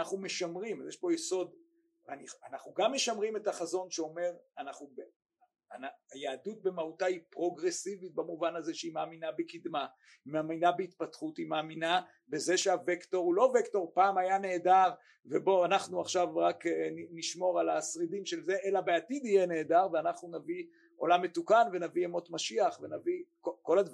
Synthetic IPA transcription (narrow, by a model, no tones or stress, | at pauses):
anaχnume̞ʃamʁimazjeʃpo̞jeso̞d̪ | anianaχnuɡamːe̞ʃamʁime̞taχazo̞nʃeo̞me̞ʁanaχnube | anajaːdut̪̚bemautaipʁoɡʁe̞sivit̪̚bamuvanazeʃeimaaːminabekid̪ma | imeːminabeit̪̚patχutimaːmina | beze̞ʃeavekto̞ʁulo̞vekto̞ʁpaːmajane̞ːdaʁ | vebo̞anaχnuaχʃavʁakniniʃmo̞ʁalasʁidimʃe̞lze̞ʔelabeatid̪ijene̞ːdaʁveanaχnunavi | o̞lamːe̞tukanve̞naviemo̞tmaʃiaχve̞navikoko̞lad